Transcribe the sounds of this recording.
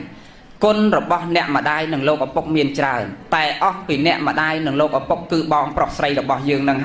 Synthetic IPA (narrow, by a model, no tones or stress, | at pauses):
kʊnrɔɓɑhnɛ̆əʔmə̆ɗaːjnɨŋloːk̚ʔapuk̚miənt͡ɕraənt̪aɛʔɑhpiːnɛ̆əʔmə̆ɗaːjnɨŋloːk̚ʔapʊkːɨːɓɑːŋprohsrəjrɔɓɑhjəːŋnɨŋɦ